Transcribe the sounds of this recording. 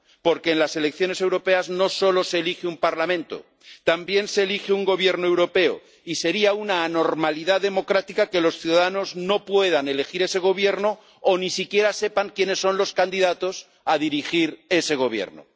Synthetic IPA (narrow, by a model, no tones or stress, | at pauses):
po̞ɾke̞ːnlase̞lek̚θjo̞ne̞se̞wɾo̞pe̞azno̞so̞lo̞se̞ːlixeumpaɾlamẽ̞nt̪o̰ | t̪ambje̞nse̞ːlixeuŋɡo̞β̞je̞ɾnoe̞wɾo̞pe̞o̰ | ise̞ɾiaunaːno̞ɾmaliðaðe̞mo̞kɾat̪ikake̞lo̞sθjuðaðano̞zno̞pwe̞ð̞ane̞le̞xiɾe̞se̞ɣ̞o̞β̞je̞ɾno | onisikje̞ɾase̞paŋkje̞ne̞sːo̞nlo̞skand̪iðat̪o̞s | aðiɾixiɾe̞se̞ɣ̞o̞βje̞̰ɾno̰